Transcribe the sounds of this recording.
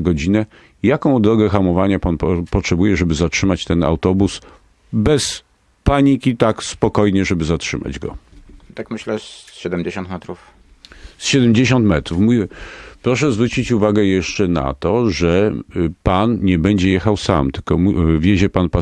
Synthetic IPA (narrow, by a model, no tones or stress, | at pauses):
ɡɔd͡ʑinɛ | jakɔ̃w̃d̪ɾɔɡɛxamɔvaɲapanpɔtʂɛbujɛʐɛbɘzatʂɘmat͡ɕt̪ɛna̰wt̪ɔbus | bɛs | paɲikʲit̪akspɔkɔjɲɛʐɛbɘzatʂɘma̰d͡ʑɡɔ̰t̪akmɘɕlɛɕɛd̪ɛmd͡ʑeɕɔ̃nt̪mɛt̪ɾuf | sɕɛd̪ɛmd͡ʑeɕɔnt̪mɛt̪ɾufmuɛpɾɔʂ̬ɛzvɾut͡ɕit͡ɕuvaɡɛjɛʂt͡ʂɛna̰t̪ɔʐɛpanɲɛbɛɲd͡ʑɛjɛxawsa̰mt̪ɘ̥lkɔmuvʲjeʑɛpanpa